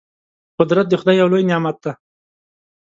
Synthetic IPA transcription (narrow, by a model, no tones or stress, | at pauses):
qʊd̪ɾat̪̚d̪exʊd̪ɑjːawlojnjɑmat̪̚d̪a